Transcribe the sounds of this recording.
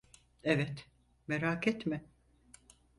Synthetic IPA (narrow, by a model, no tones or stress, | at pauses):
evɛt̪ | meɾaːkʰɛt̪mɪ